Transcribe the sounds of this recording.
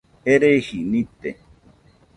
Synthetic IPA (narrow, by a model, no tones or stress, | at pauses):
eɾehinĩt̪ḛ